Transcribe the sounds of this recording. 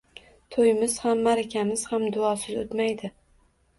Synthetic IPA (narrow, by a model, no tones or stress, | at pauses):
t̪ʰojmɪz̥hamːaɾakʲʰamɪz̥hamd̪ʊɒsɪzot̪majd̪ɪ